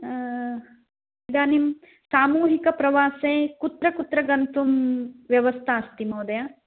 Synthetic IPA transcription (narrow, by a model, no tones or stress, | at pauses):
id̪aːnim | saːmuːɦikɐpɾɐʋaːseːkut̪ɾɐkut̪ɾɐɡɐnt̪umʋjɐʋɐst̪ʰaɐst̪imoːd̪ɐja